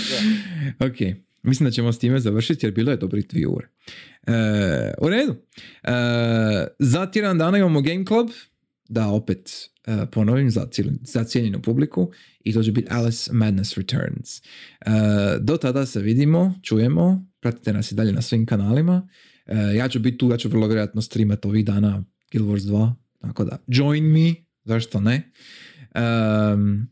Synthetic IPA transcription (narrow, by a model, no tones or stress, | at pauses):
okʰej | mislimnd̪at͡ɕemost̪iːme̞zaʋər̩ʃit̪ijeɾbiːlˠoje̞d̪o̞bɾoid̪ʋḭṵːɾe | əṵɾe̞ːd̪u | ə | zat̪ʲjed̪and̪aːnaimamoɡejmklab | d̪ao̞pet̪ | əpo̞noʋimza̰z̥at̪sjeʎenṵpubliku | it̪o̞ːt͡ɕebit̪ʰa̰lismad̪nesɾit̪ʰø̰ɾnz̥əd̪o̞t̪ad̪ase̞ʋid̪imo̞t͡ʃuːje̞mo̞pɾat̪i̥t̪e̞nasid̪aʎe̞nasʋimkanaːlima | əjaːt͡ʃubit̪̚t̪ːuːjaːt͡ʃuʋər̩lˠoʋʲjeɾojat̪nost̪ɾiːmat̪o̞ʋiɣd̪aːna | ɡ̥ilˠboɾzd̪ʋaː | t̪ako̞d̪a̰d͡ʒo̞jnmi | zaʃt̪one | ə